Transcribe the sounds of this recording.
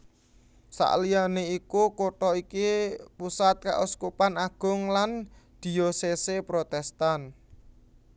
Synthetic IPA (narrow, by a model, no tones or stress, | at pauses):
sa̰ʔlijaneikukoʈɔikipusat̪̚ka̰ʔuskupanaɡ̥ʊ̤ŋland̪̥i̤jɔsesepɾot̪ɛst̪an